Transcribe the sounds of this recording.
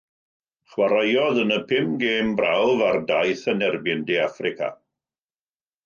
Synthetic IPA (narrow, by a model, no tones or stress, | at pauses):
χwaɾajɔðənəpʰɪmɡeːmbrawvardajθənɛrbɪndeafrɪkʰa̰